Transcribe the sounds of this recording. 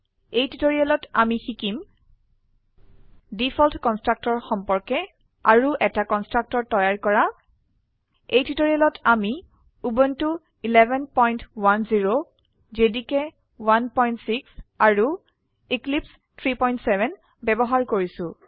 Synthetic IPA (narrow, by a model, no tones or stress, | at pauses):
ejtitoɹialɔtamixikim | dipʰɔltkɔnstɹak̚tɔɹxɔmpɔɹkɛ | aɹuʔɛtakɔnstɹak̚tɔɹtɔjaɹkɔɹa | ejtitoɹialɔtʰami | ubɔntu | ilɛbɛnpɔjntwanziɹo | zedikɛ | wanpɔjntsiksaɹu | iklips | tʰɹipɔjntsɛbʱɛn | bɛbɔɦaɹkoɹisʊ̃